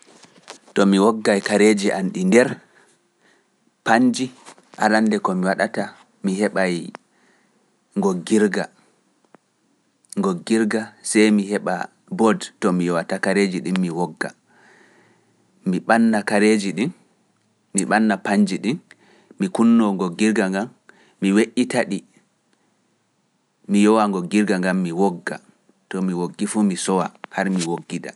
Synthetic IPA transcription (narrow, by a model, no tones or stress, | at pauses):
tɔmiwɔɡːajkaɾed͡ʒiʔanɗindɛɾ | paɲd͡ʒi | ʔa̰landɛkɔmiwaɗata | miɦɛɓaj | ŋɡoɡːiɾɡa | ŋɡoɡːiɾɡasɛjmihɛɓa̰ | bɔdtɔmiwatakaɾed͡ʒiɗimːiwɔɡːa̰ | miɓanːakaɾed͡ʒiɗinː | iɓanːapaɲd͡ʒiɗin | mikunːɔŋɡɔɡiɾɡaŋɡamː | iweʔːitaɗi | mijɔwaŋɡɔɡiɾɡaŋɡamːiwɔɡːa̰ | tɔmiwoɡːifumisɔwahaɾmiwoɡːida̰